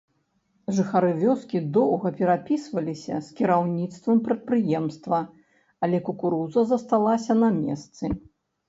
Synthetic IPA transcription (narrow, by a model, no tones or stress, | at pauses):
ʐɨxaɾɨvʲɔskʲid̪ɔwɣɐpʲɛɾapʲisvɐlʲisʲɐ̰skʲiɾawnʲit̪st̪vɐmpɾɐt̪̚pɾɨjɛmst̪vɐ | alʲɛkukuɾuzɐzɐst̪alˠasʲɐnɐmʲɛ̰st̪sɨ